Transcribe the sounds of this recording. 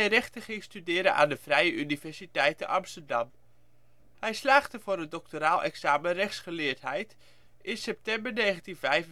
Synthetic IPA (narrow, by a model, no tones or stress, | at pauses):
rɛχtəχɪŋstydɪːɾəʔa̰ːndəvrɛjəʔynivɛɹsitɛjtənɑmstərdɑm | hɛjslaːχtəvʊːɾəndɔk̚toɾaːlˠʔɛ̰ksaːmərɛχsχəlɪːɹtɦɛjt | ʔɪnsɛp̚tɛmbəɹneːχəntinvɛjvə